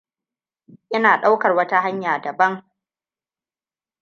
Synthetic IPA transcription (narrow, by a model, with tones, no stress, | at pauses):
ʔɪ˦naː˨ɗa˦wkɐ˨rwɐ˦ta˦ɦa˦ɲjaː˨dɐ˨bɐ˦ŋ